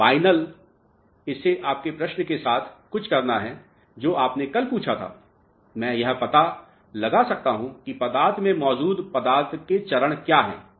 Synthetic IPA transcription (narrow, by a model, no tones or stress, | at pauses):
faːɪnəl | ɪseʔaːp̚kepɾɐʃnkesaːt̪ʰkʊt͡ʃʰkɐɾnaɦɛ | d͡ʒoːaːpnẽkɐlpuːt͡ʃʰat̪ʰa̰ː | mɛ̃ːjɐɦpɐt̪a | lɐɡasɐk̚t̪aɦũkipɐd̪aːɾt̪mẽmɔːd͡ʒuːd̪pɐd̪aːɾt̪ʰket͡ʃɐɾəɽ̃kjaːɦɛ̰̃ː